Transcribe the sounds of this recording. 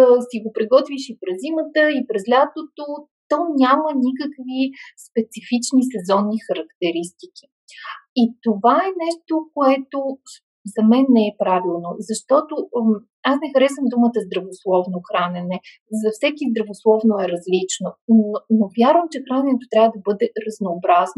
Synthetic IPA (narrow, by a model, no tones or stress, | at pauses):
siɡopɾiɡɔt̪viʃipɾɛzimət̪əipɾɛslʲat̪ot̪o | t̪ɔnʲamənʲikəkvispɛt̪sifit͡ʃnisɛzɔnːixɐɾɐkt̪ɛɾist̪i̥k̟i̥ | it̪ovaɛnɛʃt̪okoɛt̪o | zɐmɛnːɛɛpɾavilˠnozɐʃt̪ɔt̪o | asnɛxɐɾɛsəmd̪umət̪əzd̪ɾɐvoslˠɔvnoxɾanʲɛnɛ | zɐfsɛkizd̪ɾɐvoslˠɔvnoɛɾɐzlit͡ʃnonovʲjaɾvəmt͡ʃɛxɾanɛnɛt̪ot̪ɾʲjavəd̪ɐbɤd̪ɛɾɐznoːbɾazno